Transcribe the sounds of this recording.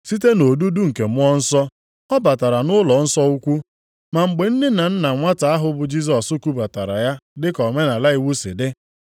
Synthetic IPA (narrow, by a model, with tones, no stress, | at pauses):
si˦te˦no˨du˦du˦ŋ̩˨ke˨m˦ɔ˦n̩˦sɔ˦ | ɔ˦ba˨ta˨ɾa˨nʊ˦lɔ˨n̩˦sɔ˦u˦kʷu˦ | ma˨ŋ͡m̩˨ɡ͡be˨n̩˦dɪ˦na˨n̩˦na˨ŋʷa˦ta˨a˦ɦʊ˨bʊ˨d͡ʒi˦s̬ɔ˨sʊ˦ku˦ba˨ta˨ɾa̰˨ja˦dɪ˦kɔ˨me˦na˨la˦i˨wu˦sḛ˨de˦